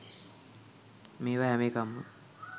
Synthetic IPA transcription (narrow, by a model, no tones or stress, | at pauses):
meːʋaɦɛmeːkamːə